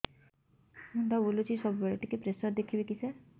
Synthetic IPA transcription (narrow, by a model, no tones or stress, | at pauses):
mund̪abolut͡ʃʰisɔbubeɭɔʈikepɾesɔɾd̪ekʰibikisa